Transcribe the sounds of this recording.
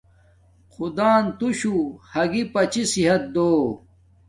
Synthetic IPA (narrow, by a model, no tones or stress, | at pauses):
qud̪aːnt̪uɕuhɐɡipɐt͡ɕisiɦɐt̪̚d̪oː